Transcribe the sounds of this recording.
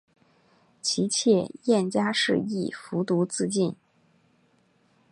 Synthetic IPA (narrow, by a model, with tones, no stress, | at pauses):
t͡ɕʰi˧˥t͡ɕʰjɛ˥˧jɛ˥˩nt͡ɕja˥ʂɻ̩˥˧ḭ˥˩fu˧˥t̪u˧˥t͡sɹ̩˥˧t͡ɕi˥˩n